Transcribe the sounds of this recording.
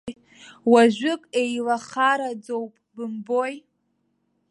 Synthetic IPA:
waʒᶣʷʊkʼe̞jlaχaɾad͡zo̞wpʼbɨmboj

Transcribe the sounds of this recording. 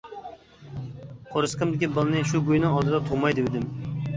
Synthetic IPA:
qʰoɾɨsqʰɨmd̪ɪkʲibɨlˠnɨʃubujnɪŋɒlˠd̪ɨd̪ɛt̪ʰomɑjd̪ɪwɪd̪ɪm

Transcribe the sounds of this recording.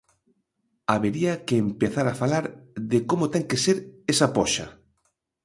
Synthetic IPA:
aβeɾiɐkeːmpeθaɾafalaɾðɪkomʊt̪ɛŋkeseɾesapɔʃa̰

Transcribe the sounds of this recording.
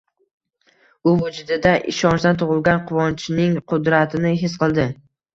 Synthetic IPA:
ʊvʊd͡ʒʊd̪ɪd̪aʔɪ̰ʃɒnt͡ʃd̪ant̪ʰʊʁɨlˠɡʲanqʰʊvɒnt͡ʃʰɪnɪŋqʰʊd̪ɾat̪ʰɪnɪɦɪsqɨlˠd̪ɪ

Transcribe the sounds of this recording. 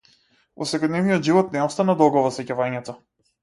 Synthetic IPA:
vɔ̰sɛkɔd̪nɛvnijɔd̪ʒivɔt̪nɛɔst̪anad̪ɔɡɔvɔsɛcavaɲɛt̪ɔ

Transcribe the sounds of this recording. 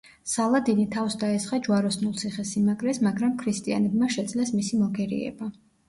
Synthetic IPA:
salˠad̪init̪ʰafsd̪aɛsχad͡ʒwaɾɔsnulˠt̪sʰiχɛsimaɡɾɛsmaɡɾamkʰɾist̪ʼia̰nɛbmaʃɛd̪zlɛsmisimɔɡɛɾḭɛ̰ba

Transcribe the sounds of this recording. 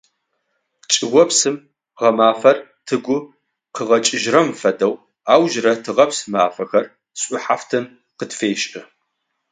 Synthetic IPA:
t͡ʃʼɪʁʷɔpsɨm | ʁɐmaːfɐrtʰɨɡʷʊ | qəʁɐt͡ʃʼɪʒrɐmfɐdɐw | aːwʒrɐtʰɨʁɐpsɨmaːfɐxɐr | sʼʊħaːftʰɨn | qətfeːɕʼɪ

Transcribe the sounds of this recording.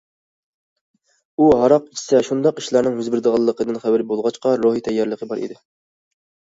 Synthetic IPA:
uɦɑɾɑq̚it͡ʃʰi̥sɛʃund̪ɑqi̥ʃlˠɑɾnɪŋɦøzbɪɾd̪əʁɑlˠːəqʰəd̪ɨnχæbɪɾbolˠʁɑt͡ʃqɑɾoɦit̪ʰɛjːɑɾlˠəqʰəbɑɾḭd̪ɪ

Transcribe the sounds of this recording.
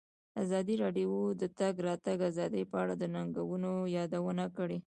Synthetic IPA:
azɑd̪iɾɑɖiod̪ət̪aɡɾɑt̪aɡazɑd̪əjpəaɽad̪ənaŋɡawənojɑd̪awənakəɽe

